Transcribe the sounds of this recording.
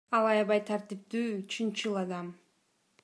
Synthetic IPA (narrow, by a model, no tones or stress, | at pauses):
ɑlˠɑjɑβɑjt̪ʰaɾt̪ip̚t̪yːt͡ʃʰynt͡ʃɯlˠɑd̪ɑm